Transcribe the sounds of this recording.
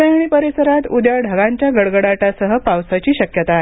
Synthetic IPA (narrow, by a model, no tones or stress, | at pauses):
eɽ̃ipəɾesəɾat̪ud̪jaɖʱəɡãɲt͡ɕjaɡəɽɡəɽaʈasəɦəpawsat͡ɕiːɕəkjət̪ae